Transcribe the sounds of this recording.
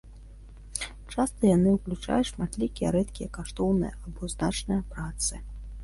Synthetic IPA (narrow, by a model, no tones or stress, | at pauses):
t͡ʂast̪ɐjanɨwklʲut͡ʂa̰juʂmat̪lʲikʲijɛɾɛt̪kʲijɐkaʂt̪ɔwnɨjɐ̰abɔznat͡ʂnɐjɐpɾat̪sɨ